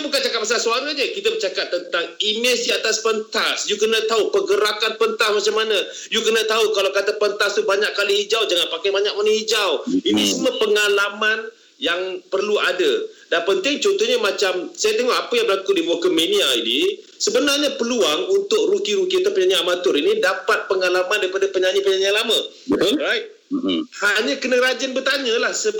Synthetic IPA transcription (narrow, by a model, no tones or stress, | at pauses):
abukant͡ʃakat̪̚masalsuaŋad͡ʒəkit̪əbət͡ʃakat̚t̪ːənt̪aŋinəsiat̪aspənt̪asjukənət̪aupəɡəɾakanpənt̪asmat͡ʃaŋmːanə | jukənət̪aukalawkat̪əpənt̪ast̪ubaɲaʔkːaliɦid͡ʒawd͡ʒaŋanpakajbaɲak̚manə̃hid͡ʒawinisuməpəŋalaman | jaŋpərluadədanpənt̪ɪŋt͡ʃɔnt̪ɔɲamat͡ʃamsajat̪əŋɔhapəjaŋbəlakʊt̪ʔ̚dibokəmeniaini | səbənarɲapəluaŋunt̪ʊk̚rukiɾukit̪opəɲaɲəamat̪ʊɾinidapat̪̚pəŋalamandaɾipadapəɲaɲəpəɲaɲalamã | ɾaj | haɲə̃kənəɾad͡ʒənbət̪aɲə̃lahsəb